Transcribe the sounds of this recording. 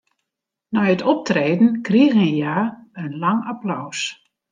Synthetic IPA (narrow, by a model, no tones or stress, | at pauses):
nɔjətɔp̚treːdn̩kriəɣənjaːənlaŋaplɔws